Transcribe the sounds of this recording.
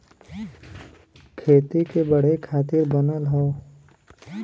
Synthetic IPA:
kʰeːt̪ikebəɽ̤ekʰaːt̪iɾbənəlɦɔo

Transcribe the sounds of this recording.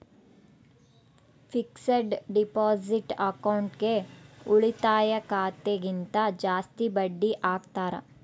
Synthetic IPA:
fɪksəɖɖɪpɔːzɪʈɐkaʊɳʈkeʊɭit̪aːjəkaːt̪eɡɪnt̪ad͡ʒaːst̪ibɐɖːiʔaːkt̪aːɾa̰

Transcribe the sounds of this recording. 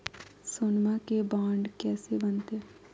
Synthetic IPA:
sonmakebaːɳɖkɛːsebənt̪e

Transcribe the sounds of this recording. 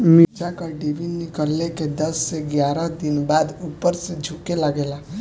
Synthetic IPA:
mid͡ʒakaɖeʋinikəlːeked̪əsːeɡjaɾəd̪inbad̪upːəɾsed͡ʒʱukelaɡela

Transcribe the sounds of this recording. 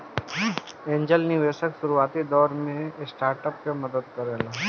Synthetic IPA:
ẽːɲd͡ʒəlniʋeːʃəksʊɾuaːt̪id̪ɔːɾmẽsʈaːɾʈəp̚keməd̪əd̪kɐɾeːla

